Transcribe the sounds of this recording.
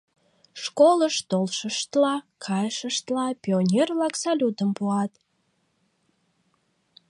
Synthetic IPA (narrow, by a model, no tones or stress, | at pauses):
ʃkoləʃt̪olʃəʃt̪lɑkʰɑjəʃəʃt̪lɑpʲionʲerlɑksɑlʲud̪əmpuɑt̪